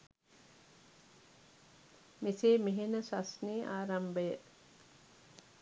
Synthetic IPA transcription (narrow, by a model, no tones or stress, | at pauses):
miseːmiɦenəsasniːʔa̰ːɾɐmbəjə